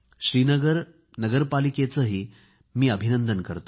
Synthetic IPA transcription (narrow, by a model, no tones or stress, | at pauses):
ɕɾiːnəɡəɾ | nəɡəɾpaliket͡səɦiː | miːəbʱinənd̪ənkəɾt̪o